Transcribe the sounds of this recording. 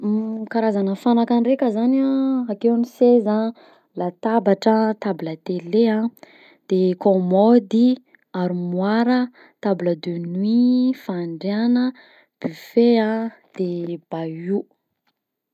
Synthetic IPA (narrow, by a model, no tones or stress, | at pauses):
kaɾazanəfanakanrekʲəzanaakewniseza | lat̪abaʈ͡ʂət̪abilət̪eleã | d̪̥ekomɔd̪i | aɾimwaɾə | t̪abiləd̪ønuifaɳɖ͡ʐeanə | b̥yfead̪̥eb̥au